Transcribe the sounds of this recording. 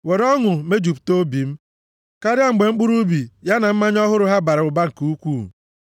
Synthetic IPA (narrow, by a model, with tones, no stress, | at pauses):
we˨ɾɔ˦ŋʊ˨me˦d͡ʒu˨pto˦bi˨m̩˦ | ka˦ɾja˦ŋ͡m̩˨ɡ͡be˨ŋ͡m̩˦ɡ͡bʊ˦ɾu˦bi˨ja˦na˨m̩˦ma˦ɲ˦ɔ˦ɦʊ˦ɾʊ˦ɦa˦ba˨ɾɪ˨ʊ˨ba˦ŋ̩˨kuu˦kʷu˦˨